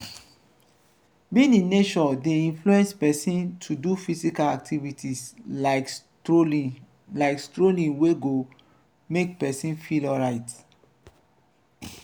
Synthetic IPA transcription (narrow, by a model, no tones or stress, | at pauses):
bĩnĩnet͡ʃɔdeĩnfluɛ̃nspɛsĩntʰudufisikalak̚tʰivitʰis | laɪkstɹolĩnweɡo | mek̚pɛsĩnfilɔɹaɪt